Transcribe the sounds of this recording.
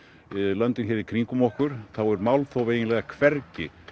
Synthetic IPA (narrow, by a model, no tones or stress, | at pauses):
lœnt̪ɪnçɛːɾɪɾkʰɾiŋkʏmɔhkʏɾ̥θawɛɾmawlθoweːjɪnlɛɣakʰvɛrcɪ̰